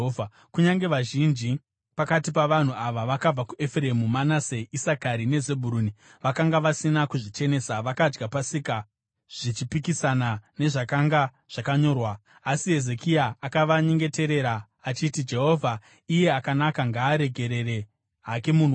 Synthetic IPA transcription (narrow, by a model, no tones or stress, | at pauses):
va | kuɲaŋɡe̞ʋaʒind͡ʒi | pakatipaʋan̤uaʋaʋakab͡vakue̞fre̞mumanaseʔisakaɾine̞ze̞bʱuɾuːni | ʋakaŋɡaʋasinakuʐit͡ʃe̞ne̞ːsaʋakad͡ʒɡapasika | ʐ̥it͡ʃipikisanane̞ʐakaŋɡa | ʐ̥akaɲo̞ːrwaː | siɦe̞ze̞kiaakaʋaɲeŋɡe̞te̞ɾe̞ɾa | at͡ʃitid͡ʒe̞ɦo̞vʱa | ije̞akanakaŋɡaːɾe̞ɡʱe̞ɾe̞re̞ | ɦake̞mun